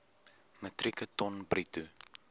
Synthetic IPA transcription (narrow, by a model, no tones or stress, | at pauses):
mətrikətɔnbritu